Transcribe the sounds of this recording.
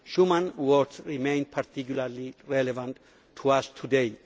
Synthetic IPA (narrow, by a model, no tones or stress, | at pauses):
ʃumãnwɔɾdsɹimẽɪ̃npʰaɾt̪ʰik̬julaɾliɹɛlevãn | tʰːuast̪ʰudej